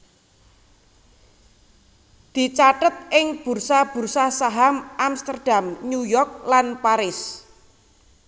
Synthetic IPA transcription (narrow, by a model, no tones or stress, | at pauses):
d̪̥i̤t͡ʃaʈət̪̚ʔɪŋb̥ṳrsab̥ṳrsasaɦamʔamst̪ərd̥amnujɔrk̚lanpaɾɪs